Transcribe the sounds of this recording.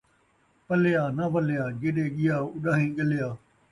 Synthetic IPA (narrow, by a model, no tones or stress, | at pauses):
pɐlɪjaːnaʋəlɪjaːd͡ʒeːɗeːɠɪjaːʊɗaːɦĩːɠəlɪjaː